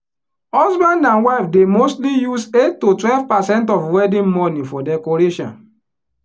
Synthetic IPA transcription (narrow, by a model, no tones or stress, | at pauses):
ɔzbãndãnwaɪfdemostlijusetːotwɛlvpasɛ̃nt̬ɔfwɛdĩnmɔnifɔdɛkɔɾeʃɔ̰̃n